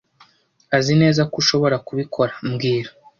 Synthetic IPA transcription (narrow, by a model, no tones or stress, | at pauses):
azine̞ːzakuʃo̞βo̞ɾakuβikʰo̞ɾḁmɡiːɾo